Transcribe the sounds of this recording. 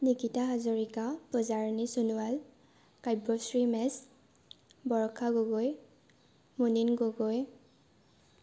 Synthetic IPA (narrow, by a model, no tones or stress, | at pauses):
nikitaɦazɔɹikapɔzaɹnisunuwal | kajbɔsɹimɛs | bɔɹkʰaɡɔɡɔj | muninɡoɡɔj